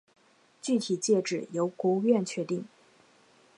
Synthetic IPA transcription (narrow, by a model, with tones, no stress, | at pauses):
t͡ɕy˥˩t̪ʰi˨˩t͡ɕjɛ˥˩ʈ͡ʂɻ̩˥˩jo˧˥ʊkwɔ˧˥u˥˧ɥɛ˥˩nt͡ɕʰɥɛ˧˥t̪i˥˩ŋ